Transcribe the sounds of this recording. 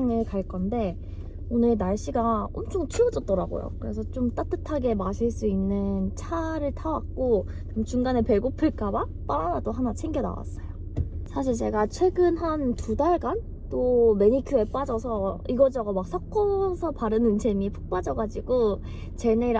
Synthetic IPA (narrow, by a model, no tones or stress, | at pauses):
ŋɯɭkaɭk͈ʌnde̞ | onɯɭnaɭɕ͈iɡaʌmt͡ɕʰoŋt͡ɕʰɯɾʌd͡ʑʌt̚t͈ʌɾaɡo̰jo̰kɯɾe̞s̬ʰʌt͡ɕomt͈at͈ʰɯtʰaɡe̞maɕʰiɭs͈uinːɯnt͡ɕʰaɾɯɭtʰawak̚k͈o | mt͡ɕuŋɡanepe̞ɭɡopʰɯɭk͈aba | p͈aɾanadoɦanat͡ɕʰeŋɡjʌna̰wa̰s͈ʌjo | sʰaɕ̬ʰiɭt͡ɕe̞ɡat͡ɕʰwe̞ɡɯnantudaɭɡan | t͈ome̞ɲikʰjue̞p͈ad͡ʑʌsʰʌiɡʌd͡ʑʌɡʌmak̚sʰʌk͈ʌsʰʌpaɾɯnɯnt͡ɕe̞mipʰu̥k̚p͈ad͡ʑʌɡad͡ʑiɡo | t͡ɕe̞neɾ